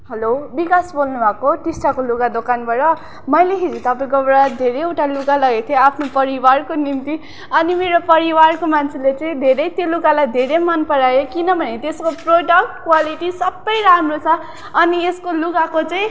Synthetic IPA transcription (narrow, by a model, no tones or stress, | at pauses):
ɦʌlobikasbolnubʱʌkoʈisʈakolukad̪okanbʌɾʌ | mʌjleɦid͡zit̪ʌpaĩkobɽad̪ʱeɾeewʈalukalʌɡet̪ʰjoapʰnopʌɾiwarkonimt̪i | ʌnimeɾopʌɾiwarkomant͡sʰelet͡saĩd̪ʱeɾʌjt̪jolukalajd̪ʱeɾemʌnpʌɾajokinʌbʱʌnet̪eskoproɖʌk̚ʈkwaliʈisʌbːʌjɾamrot͡sʰʌː | nieskolukakot͡sãĩ